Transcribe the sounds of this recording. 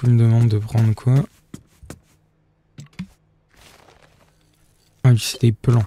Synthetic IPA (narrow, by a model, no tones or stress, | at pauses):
əməd̪əmɑ̃d̪ːəpχɑ̃d̪ʁkʰwa | ãist̪eplɑ̃